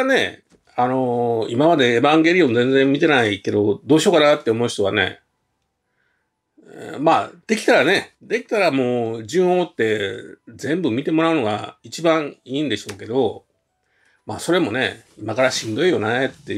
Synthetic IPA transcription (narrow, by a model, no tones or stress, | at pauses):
ane̞ | ano̞imamad̪e̞ːbãŋɡe̞ɾʲijõ̞nd͡zẽ̞nd͡zẽ̞mmʲit̪e̞naike̞d̪o̞d̪o̞ːɕio̞ːkanat̪ːeomo̞ç̥t̪o̞βa̰ne̞̰ | maːd̪̥e̞kʲi̥t̪aɾane̞d̪e̞kʲi̥t̪aɾamo̞ːd͡ʑɨ̃ɰ̃ot̪ːe̞d͡zẽ̞mbɯ̟mʲit̪e̞mo̞ɾaɯno̞ɡa̰it͡ɕibãɰiːnd̪e̞ɕo̞ːke̞d̪o̞ | maːso̞ɾe̞mo̞ne̞̰imakaɾaɕĩnd̪o̞ijo̞net̪ːe